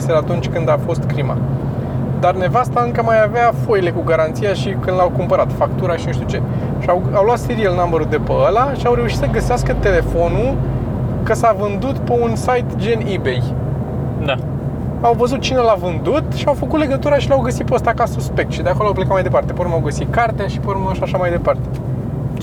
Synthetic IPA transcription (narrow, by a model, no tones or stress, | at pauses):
selat̪unt͡ʃʲkɨnd̪afo̞st̪kɾima̰ | d̪arne̞vast̪aɨŋkəmajaveafojle̞kuɡaɾant̪sijaʃikɨnd̪lawkumpəɾat̪fakt̪uɾaʃinuʃt̪ʲut͡ʃe̞ | ʃiawawloat̪seɾielnaməɾud̪e̞pəəlaʃiawɾe̞uʃit̪səɡəseaskət̪e̞le̞fo̞nu | kəsavɨnd̪ut̪pe̞unsajt̪d͡ʒenibe̞j | d̪a | awvəzut̪̚t͡ʃine̞lavɨnd̪ut̪ʃiawfəkut̪le̞ɡət̪uɾaʃilawɡəsit̪̚peəst̪akasuspe̞k̚t̪ʃid̪eako̞loawplekat̪majd̪e̞part̪e̞poɾumawɡəsit̪̚kart̪enʃipoɾumʃaʃamajd̪e̞part̪e̞̥